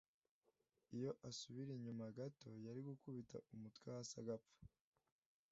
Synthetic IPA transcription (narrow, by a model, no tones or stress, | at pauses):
ijo̞ʔasuβiɾiɲumaɡato̞jaɾiɡukuβitʰa̰ʔumutkwaasa̰ɡap͡fḁ